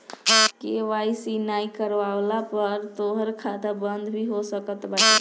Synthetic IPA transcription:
keʋajsinaikəɾʋalapəɾt̪oɦəɾkʰat̪abənd̪ʱbʱiɦosəkət̪baʈi

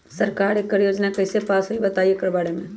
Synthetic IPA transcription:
səɾkaːɾekːəɾjoːd͡ʒnakɐɦɪsepaːsɦoibɐt̪aːiekəɾbaːɽemẽ

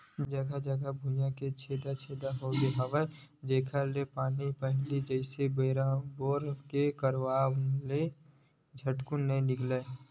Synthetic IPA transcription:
d͡ʒəɡʱad͡ʒəɡabʱʊjãket͡ʃʰeːd̪at͡ʃʰeːd̪aɦod̪eɦəʋəd͡ʒeːkʰalepaːnipəɦɪlid͡ʒəɪsebɾaboːɾkekəɾʋaːle | d͡ʒʱəʈkʊnːəĩnɪkle

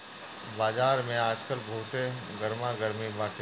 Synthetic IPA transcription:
baːzaːɾmẽaːd͡ʒkəlbʱuːt̪eɡəɾmaɡəɾmibaːʈ

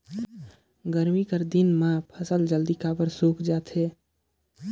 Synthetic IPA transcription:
ɡəɾmikəɾd̪ɪnmãpʰəsəld͡ʒəld̪ikaːbəɾsoːkd͡ʒaːt̪ʰɦeː

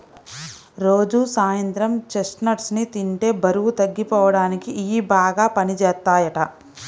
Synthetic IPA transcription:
ɾo̞ːd͡ʒusaːjɐnt̪ɾɐmt͡ʃesʈnɐʈsnit̪iɳʈe̞ːbɐɾuʋut̪ɐɡːipɔːʋɐɽaːnikiʔiːbaːɡaːpɐnit͡ʃɛːt̪ːaːjɐʈɐ

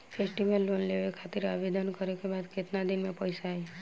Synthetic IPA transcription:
pʰesʈiʋəlːonleʋekʰat̪iɾaʋed̪ʱənkəɾekebad̪ket̪nad̪imẽpəjsaɦe

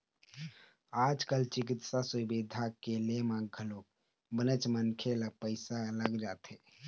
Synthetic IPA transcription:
ad͡ʒkəlt͡ʃikit̪sasubid̪ʱakelemãɡɡʱʰəlok | bənət͡ʃmənkʰelapəɪsaləɡd͡ʒat̪e

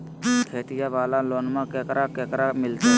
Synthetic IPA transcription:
kʰeːt̪ɪjaʋaːlaloːnmãkɛːkəɾakɛːkɾamɪlt̪a

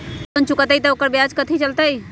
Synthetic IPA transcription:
ənt͡ʃukət̪əit̪əokəɾbjad͡ʒkət̪ʰit͡ʃəlt̪əj

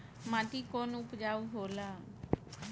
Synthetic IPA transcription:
mãːt̪iːkoːnʊpd͡ʒaːuːɦoːlaː

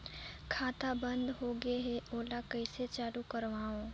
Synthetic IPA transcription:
kʰaːt̪abə̃nd̪ɦoːɡeɦeʔoːlakəɪset͡ʃaːlukəɾʋaːõː

